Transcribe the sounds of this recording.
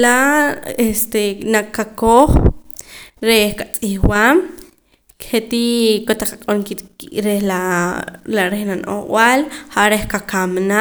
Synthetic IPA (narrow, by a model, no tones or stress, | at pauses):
laest̪enakːakoχ | ɾehkat͡sʼiχwam | kχet̪ikot̪aqaqʼonkiɾehla | laɾehnanʔo̰χw̰alχaʔɾehkakamna